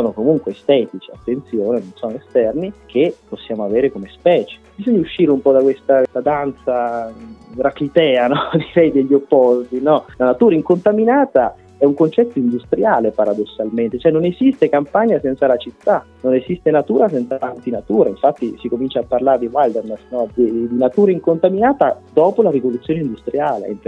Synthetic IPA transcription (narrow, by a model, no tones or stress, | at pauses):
ssɔːnokomuŋkweest̪ɛːt̪it͡ʃia̰t̪ːent̪sjoːnenonsɔnoest̪ɛrnikʰepːosːjaːmoaveːɾekomespɛːt͡ʃe̥bizoɲːauʃːiːɾeumpɔd̪akwest̪alad̪ant̪sa | ɡɾaklit̪ɛːanɔd̪iɾɛjd̪eʎːopːɔst̪inɔlanat̪uːɾaiŋkont̪aminaːt̪a | ɛuŋkont͡ʃɛt̪ːoind̪ust̪ɾjaːlepaɾad̪osːalment̪et͡ʃoɛnːonezist̪ekampaɲːasɛnt̪salat͡ʃit̪ːa | nonezist̪enat̪uːɾas̬ɛnt̪satant̪inat̪uːɾaiɱfat̪ːisikomint͡ʃapːarlaːɾed̪iwald̪ermasnɔd̪id̪inat̪uːɾaiŋkont̪aminaːt̪ad̪ɔːpolaɾivolut̪sːjoːneind̪ust̪ɾijaːlḛm